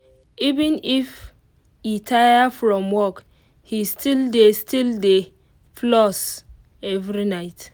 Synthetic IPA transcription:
ivɛ̃nif | itʰajafɹɔ̃mwɔk | histildestilde | flɔs | ɛvɾinaɪt

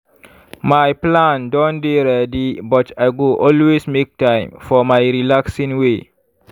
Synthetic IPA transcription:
majplãndɔ̃nbiɾɛdibɔtajɡoʔɔlwesmek̚tãj̃mfɔmajɾilaksĩŋwe

